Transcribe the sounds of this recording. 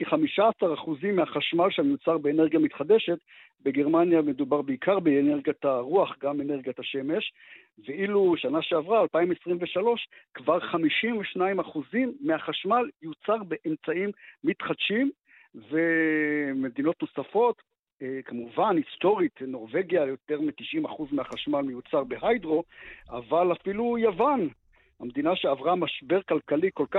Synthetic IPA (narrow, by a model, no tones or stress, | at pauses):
kiχamiʃaːsaʁaχuzimːeaχaʃmalʃamjut͡saʁbeːneʁɡjamit̪χad̪e̞ʃet̪ | beɡe̞ʁmanjame̞d̪ubaʁbeikʰaʁbeːneʁɡjataʁuaχɡameneʁɡiataʃe̞me̞ʃ | veʔiluʃanaʃeavʁaːlpaimesʁimveʃalo̞ʃkvaʁχamiʃimveʃnaimaχuzimːeaχaʃmaljut͡saʁbe̞ʔemt͡saimːit̪χad̪ʃim | veme̞d̪ino̞t̪nosafo̞t̪ | kamuvanist̪o̞ʁit̪no̞ʁve̞ɡjajo̞t̪e̞ʁmit̪iʃʔimaχuzmeaχaʃmalmejut͡saʁbeɦajd̪ʁo̞a̰valafilujavan | hamd̪inaʃeavʁamaʃbe̞ʁkalkaliko̞lka